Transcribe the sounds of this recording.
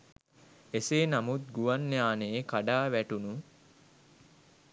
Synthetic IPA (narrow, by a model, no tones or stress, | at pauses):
eseːnamut̪̚ɡuʋanːejaːnekaɖaːʋæʈunu